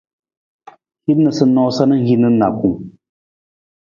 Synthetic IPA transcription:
hi˦nɨ˨sɨ˦nɔ˦sa˦nɨ˦ɣi˦nɨ˦na˨ku˦˨ŋ

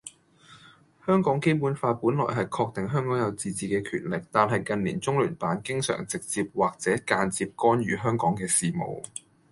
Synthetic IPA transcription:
hœː˥ŋkɔː˨˥ŋke˥jpuː˨˥nfaː˧kuː˨˥nlɔ̰ː˨˩jɦɐ˨jkʰɔː˧k̚t̪ɪ˨ŋɦœː˥ŋkɔː˨˥ŋjɐ˨˧wt͡siː˨t͡siː˨kɛː˧kʰy̰ː˨˩nlɪ˨k̚t̪aː˨˩nɦɐ˨jkɐ˨nlḭː˨˩nt͡sʊ˥ŋlyː˨˩npaː˨˥nkɪ˥ŋsœ̰ː˨˩ŋt͡sɪ˨k̚t͡siː˧p̚waː˨k̚t͡sɛː˨˥kaː˧nt͡siː˧p̚kɔː˥nɥy̰ː˨ɦœː˥ŋkɔː˨˥ŋkɛː˧siː˨mo̰˨˩w

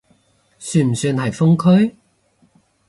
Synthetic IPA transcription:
syː˧nm̩˨˩syː˧nɦɐ˨jfʊ˥ŋkʰɵ˥ɥ

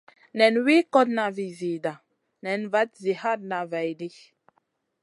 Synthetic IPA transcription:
nɛ˨nwe˦kɔ˦tna˨vi˨zi˨da˨ | nɛ˨nva˨˦t̚zi˨ha˦d̚na˨va˨jdi˦

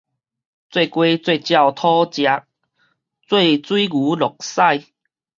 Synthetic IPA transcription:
t͡swe˥˧˨kwe˧˦t͡swe˥˧˨t͡ɕja˥˧˨wt̪ʰɔ˦t͡ɕja˧˦k̚ | t͡swe˥˧˨t͡swi˦ɡu˨˦lɔ˨˩k̚sa˥˧j

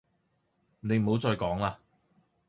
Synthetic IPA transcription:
ne˨˧jm̩˨˩ho˨˧wt͡sɔː˧jkɔː˨˥ŋlaː˧

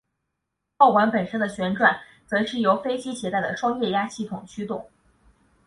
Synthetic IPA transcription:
xo˥˩ʊkwa˧˥npə˨˩nʂə˥nd̪ə˨ɕɥɛ˧˥nʈ͡ʂwa˨˩˦n | t͡sɤ˧˥ʂɻ̩˥˩jo˧˥ʊfe˥ɪt͡ɕi˥ɕjɛ˧˥t̪a˥˩ɪd̪ə˩ʈ͡ʂwɑ˥ŋjɛ˥˩ja˥ɕi˥˩t̪ʰʊ˨˩ŋt͡ɕʰy˥t̪ʊ˥˩˦ŋ

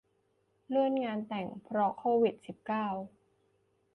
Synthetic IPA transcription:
lɯ˥˩ənŋaː˧nt̪ɛ˨˩ŋpʰɾɔ˦˥kʰoː˧wi˨˩t̪̚si˨˩p̚kaː˥˩w

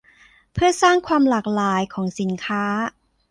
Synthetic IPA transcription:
pʰɯ˥˩ɐsaː˥˩ŋkʰwaː˧mlaː˨˩k̚laː˩˦jkʰɔː˩˦ŋsi˩˦nkʰaː˦˥

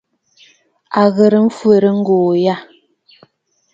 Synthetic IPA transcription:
a˨ɣə˨ɾə˨m̩˦fwə˨ɾə˦ŋ̩˦ɡoː˨ja˦˨

